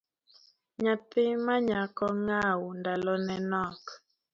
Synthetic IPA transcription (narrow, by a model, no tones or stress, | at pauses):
ɲat̪ɪmaɲakɔŋawundalɔnɛnɔk